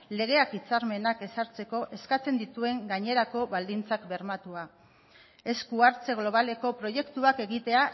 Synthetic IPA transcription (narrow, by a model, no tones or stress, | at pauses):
le̞ɣ̞e̞akit͡saɾme̞nake̞saɾt͡se̞ko̞ʔe̞skat͡se̞nd̪it̪ue̞ŋɡaɲe̞ɾako̞βald̪int͡sakbe̞ɾmat̪ua | e̞skuaɾt͡se̞ɣlo̞β̞ale̞ko̞pɾo̞je̞kt̪uake̞ɣit̪e̞a